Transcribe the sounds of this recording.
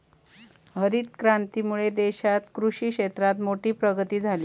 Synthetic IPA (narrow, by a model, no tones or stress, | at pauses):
ɦəɾiːt̪kɾant̪iːmuɭed̪eɕat̪kɾuɕiːkɕet̪ɾat̪moʈiːpɾəɡət̪iːd͡zʱaliː